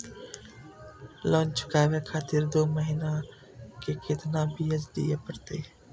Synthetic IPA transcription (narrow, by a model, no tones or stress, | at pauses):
lɔ̃ːnt͡ʃkaːʋekʰaːt̪ɪɾd̪oːməɦiːna | kekɪt̪nabʱijəd͡ʒd̪ḭjepəɾt̪eː